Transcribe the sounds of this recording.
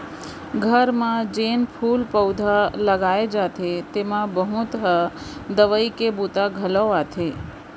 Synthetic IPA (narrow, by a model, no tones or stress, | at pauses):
ɡʱəɾmãd͡ʒenpʰulpəwd̪ʱaləɡaed͡ʒat̪ʰet̪emãbəɦũt̪ɦəd̪əʋəikebut̪aɡʱələat̪ʰe